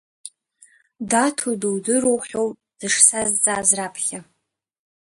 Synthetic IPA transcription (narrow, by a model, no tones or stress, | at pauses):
datʰodowdɨɾowħʷᶣow | d̥ɨʂsazt͡sʼaːzrapʰχʲa